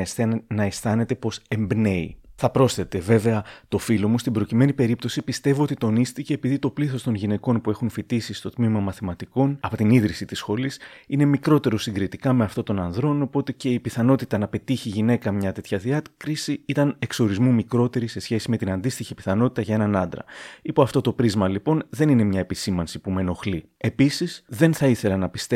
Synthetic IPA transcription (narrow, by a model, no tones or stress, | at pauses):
snɐest̪ɐne̞t̪e̞po̞se̞mbne̞ḭθɐpɾo̞sθe̞t̪e̞ve̞ve̞ɐt̪o̞filo̞must̪ibɾo̞cime̞nipe̞ɾip̚t̪o̞sipist̪e̞voo̞t̪it̪o̞nist̪ice̞ːpiðit̪o̞pliθo̞st̪o̞nʝine̞ko̞npue̞xunfit̪isist̪o̞t̪mimɐmɐθimɐt̪iko̞nɐpot̪iniðɾisit̪isxo̞lisine̞mikɾo̞t̪e̞ɾo̞siŋɡɾit̪ikɐme̞ɐft̪o̞t̪o̞nɐnðɾo̞no̞po̞t̪e̞ce̞ipiθɐno̞t̪it̪ɐnɐpe̞t̪içiʝine̞kɐmɲɐt̪e̞t̪çɐðiɐkɾisiit̪ɐne̞kso̞ɾizmumikɾo̞t̪e̞ɾise̞sçe̞sime̞t̪inɐnd̪ist̪içipi̥θɐno̞t̪i̥t̪ɐʝɐe̞nɐnɐnd̪ɾɐ̰ipoɐft̪o̞t̪o̞pɾizmɐlipo̞nðe̞nine̞mɲɐe̞pisimɐnsipume̞no̞xli | e̞pisisðe̞nθɐiθe̞lɐnɐpist̪e